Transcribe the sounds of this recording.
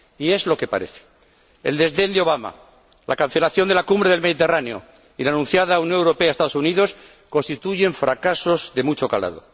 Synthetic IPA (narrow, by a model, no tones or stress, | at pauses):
ie̞zlo̞ke̞pa̰ɾe̞̰θe̥ | ḛld̪ezðe̞nd̪eo̞β̞ama̰ | lʔakan̟θe̞laθjo̞nd̪e̞lakumbɾe̞ð̞e̞lme̞ðit̪eraneo̞̰ | ilaːnũnθjaðaunjoŋewɾo̞peaest̪aðo̞suniðo̞s | konst̪it̪uʝe̞ɱfɾakaso̞zðe̞mut͡ʃo̞ka̰la̰ðo̞̰